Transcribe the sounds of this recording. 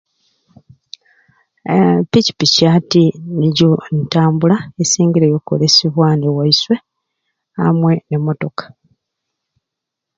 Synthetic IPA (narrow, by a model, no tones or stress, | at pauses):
pici̥picaːtiniɟontaːmbulaesiːŋɡiɾejokːo̰lesiβwanewaiswe̞ | a̰mwe̞ne̞mo̞to̞kḁ